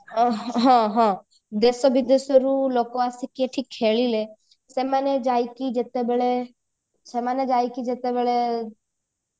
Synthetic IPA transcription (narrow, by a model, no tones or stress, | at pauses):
ɦãɦã | d̪esɔbid̪esɔɾulokoasikieʈʰikʰːeːɭile | semaned͡ʒajkid͡ʒet̪ebeɭe | semaned͡ʒaːjkid͡ʒet̪ebɛɭe